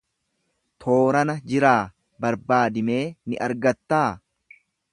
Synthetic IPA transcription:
t̪ʰo̞ːɾɐnɐd͡ʒɪɾaː | bɐɾbaːd̪ɪme̞ːnɪʔɐɾɡɐt̪ːaː

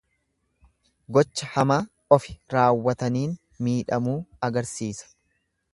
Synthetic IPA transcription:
ɡɔt͡ʃːɐhɐmaː | ɔfɪ̥ɾaːwːɐt̪ɐniːn | miːᶑɐmuːɐɡɐɾsiːsɐ̥

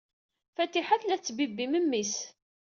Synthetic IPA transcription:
fæt̪ːiħaθlæt͡sːbibːiməmːis

